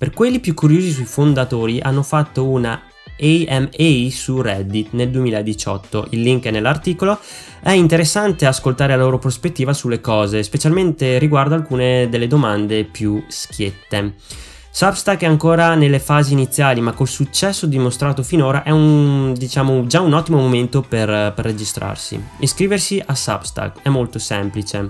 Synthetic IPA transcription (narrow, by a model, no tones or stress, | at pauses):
perkwelːipjukːuɾjoːzis̬ujfond̪at̪oːɾiʔanːofat̪ːouna | eɛmesurɛd̪ːit̪neld̪uemiːlaed̪it͡ʃɔ̰t̪ːo̰ʔilːiŋknelːart̪iːkolo | ɛint̪eɾesːant̪easkolt̪aːɾelaloːɾopɾospet̪ːiːvasulːekɔːzespet͡ʃalment̪eɾiɡward̪oalkuːned̪elːed̪omand̪epjusk̟ʰjet̪ːe | sabst̪akɛaŋkoːɾanelːefaːziːnit̪sːjaːlimakːolsut͡ʃːɛsːod̪imost̪ɾaːt̪ofinoːɾaʔɛund̪it͡ʃaːmod͡ʒaunɔt̪ːimomoment̪operperːed͡ʒist̪ɾʔa̰rsḭiskɾiːversiʔasa̰bst̪a̰kɛmːolt̪osɛmplit͡ʃe